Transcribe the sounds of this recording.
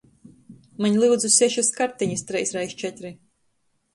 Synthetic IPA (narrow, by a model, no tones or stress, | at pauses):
maɲlˠɨwd̪zusʲɛʃaskaɾt̪iɲɨst̪ɾɛjsɾajʃt͡ʃɛt̪ɾi